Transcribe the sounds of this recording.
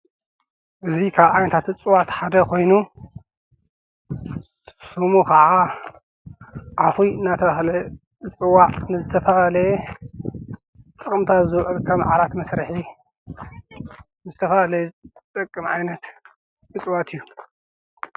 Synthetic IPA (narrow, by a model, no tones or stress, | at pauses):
hɨzβikʰaβʕajnɐt̪ʰat̪ɨt͡sʼɨwat̪ħad̪ɐkʰo̞jnu | sumukʰɐʕa | ʕafujɨnːat̪ʰɐβahlɐ | ɨt͡sʼɨwːaʔnɨzɨt̪ʰɐfɐɐlɐɛ | t̪ʼɨkʼɨmt̪ʰazɨwʕɨlkʰɐmʕa̰lat̪mɐsɾɨħi | nɨzɨt̪ʰɐfɐlalɐjt̪ʼɐkʼːɨmʕajnɐt̪ | ɨt͡sʼwat̪ʰɨjːu